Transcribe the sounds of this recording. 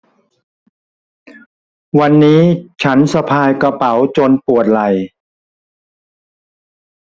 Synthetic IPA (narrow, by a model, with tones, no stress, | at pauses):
wa˧nːiː˦˥t͡ɕʰa˦˥nsa˧pʰaː˧jka˧pa˩˦wt͡ɕo˧npu˨˩ət̪̚la˨˩j